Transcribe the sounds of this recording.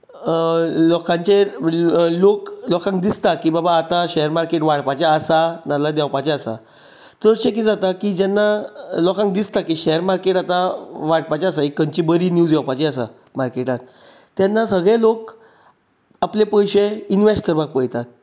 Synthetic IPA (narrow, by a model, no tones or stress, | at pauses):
lɔkʰãɲt͡ɕe | loklɔkãŋk̚d̪ist̪akibabaːt̪aɕɛəɾmaɾkeʈʋaɽpat͡ɕaːsanalad̪ɛwpat͡ɕeasa̰ | t̪əɽɕekid͡zat̪akid͡ʑanːalɔkãŋk̚d̪ist̪akiɕɛəɾmaɾkeʈat̪aʋaɽpat͡ɕaasaekːəɲt͡ɕibəɾinjud͡zɔwpat͡ɕeasa̰ | maɾkeʈãt̪ː | janːasəɡɭẽlok | aplepəjɕeinʋesʈkəɾbak̚pəjt̪at̪̚